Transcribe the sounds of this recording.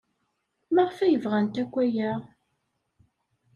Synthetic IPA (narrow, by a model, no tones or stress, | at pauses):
maʁəfæjəvʁænt̪ækʷːæjæʁ